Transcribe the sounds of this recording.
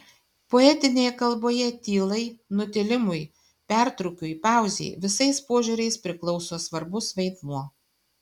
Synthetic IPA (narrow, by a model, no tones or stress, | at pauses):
poɛt̪ʲɪnʲeːjɛkɐlˠboːjɛt̪ʲiːlˠɐɪnʊt̪ʲɪlʲɪmʊj | pʲæˑɾt̪ɾʊkʲʊipɑˑʊzʲḛːʋʲɪsɐɪspoɔʒʲuːɾʲɛɪspʲɾʲɪklˠɔʊsoːsʋɐɾbʊsʋʲɐɪd̪muɔ